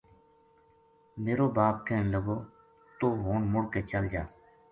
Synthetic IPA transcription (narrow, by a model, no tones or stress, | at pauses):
meːɾoːbaːp̚kẽːnləɡoː | t̪oːɦoːɳmʊɽkeːt͡ʃəld͡ʒaː